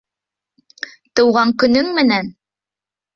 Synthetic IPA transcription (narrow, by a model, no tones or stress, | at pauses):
t̪ɤ̆wʁɑŋkɵ̆nɵŋmɘ̆næn